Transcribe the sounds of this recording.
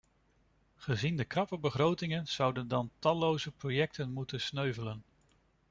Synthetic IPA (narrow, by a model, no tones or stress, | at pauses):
χəzindəkrɑpəbəχrowtɪŋənz̥ʌwdəndɑntɑlowzəprowjɛk̚tənmutənsnøɥvələn